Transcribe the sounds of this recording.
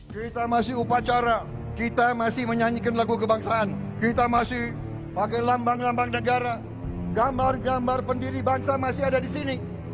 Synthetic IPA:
kɾit̪amasɪupat͡ʃaɾa | kit̪amasɪhməɲaɲikanlaɡukəbaŋsaːn | kit̪amasɪh | pakajlambaŋlambaŋnəɡaɾa | ɡambarɡambarpəndiɾibaŋsamasɪadadisini

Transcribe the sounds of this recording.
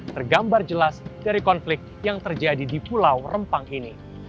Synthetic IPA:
t̪ərɡambard͡ʒəlasdaɾikɔnflɪk̚t̪̚jaŋt̪ərd͡ʒadidipulawrəmpaŋini

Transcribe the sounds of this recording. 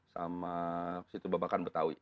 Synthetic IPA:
sa̰masit̪ubabakanbət̪awḭ

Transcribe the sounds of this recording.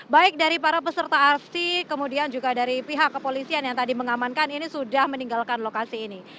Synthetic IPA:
baɪk̚daɾipaɾapəsərt̪aːrsikəmudiand͡ʒuɡadaɾipiɦakːəpolisianjaŋt̪adiməŋamankaninisudahməniŋɡalkanlokasiːni

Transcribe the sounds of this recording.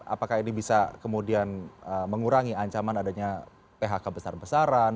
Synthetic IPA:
a̰pakainibisakəmudianəməŋuɾaŋiaɲt͡ʃamanadaɲa | peɦakabəsarbəsaɾan

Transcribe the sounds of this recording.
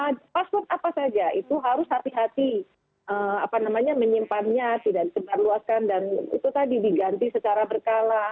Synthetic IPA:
əpaspɔrt̪apasad͡ʒaʔit̪uɦaɾʊshat̪iɦat̪i | ʔəapanamaɲaməɲimpanɲat̪idaʔdisəbarluaskandanḭt̪ut̪adidiɡant̪isət͡ʃaɾabərkala

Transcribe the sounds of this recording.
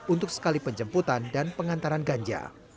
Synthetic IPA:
unt̪ʊk̚sə̥kalipəɲd͡ʒəmput̪andanpəŋant̪aɾanɡaɲd͡ʒa̰

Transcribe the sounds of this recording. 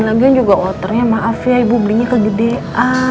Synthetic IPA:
nlaɡujand͡ʒuɡaʔɔt̪ərɲamaʔafjaibubliɲakəɡədeʔa

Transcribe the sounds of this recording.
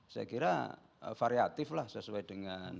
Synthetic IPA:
sa̰kiɾa̰ | faɾiat̪ɪflahsəsuad̥əŋan

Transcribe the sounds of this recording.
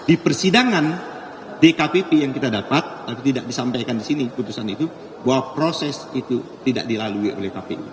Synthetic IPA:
dipərsidaŋan | dekapepejaŋkit̪adapat̪̚ːapit̪idaʔ̚disampajkandisiniput̪usanit̪u | bawapɾosɛsit̪ut̪ida̰ʔ̚dilaluiʔo̰lɛhkapḛʔṵ

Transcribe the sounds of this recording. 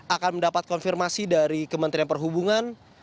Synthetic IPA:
ʔakanməndapat̪̚kɔnfirmasidaɾikəmənt̪ɾianpərɦubuŋan

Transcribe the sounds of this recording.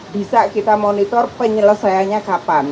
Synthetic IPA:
bisaʔkit̪amonit̪ɔrpəɲələsajaɲakapan

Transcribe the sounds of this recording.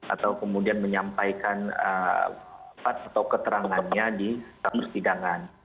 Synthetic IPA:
ʔa̰t̪awkəmudianməɲampajkanə̰ | fat̪at̪awkət̪əɾaŋanɲadisamərsidaŋan

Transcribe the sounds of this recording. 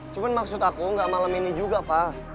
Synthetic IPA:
t͡ʃumanmaksʊt̪akuŋɡaʔmalaminid͡ʒuɡapa

